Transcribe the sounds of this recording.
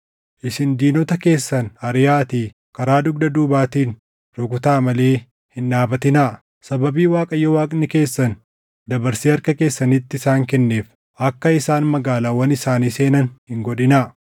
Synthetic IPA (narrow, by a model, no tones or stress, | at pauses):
ʔɪsɪnd̪iːnɔt̪ɐke̞ːsːɐnɐɾɪjaːt̪iː | kɐɾaːd̪ʊɡ̚d̪ɐd̪uːbaːt̪iːn | ɾɔɡʊt̪aːmɐle̞ː | hɪnᶑaːbɐt̪ɪnaː | sɐbɐbiːwaːkʼɐjːɔwaːkʼnɪke̞ːsːɐn | d̪ɐbɐɾsiːɐɾkɐke̞ːsːɐnɪt̪ːɪɪsaːŋkɛnːe̞ːf | ɐkːɐɪsaːnmɐɡaːlaːwɐnɪsaːniːse̞ːnɐnhɪŋɡɔᶑɪnaː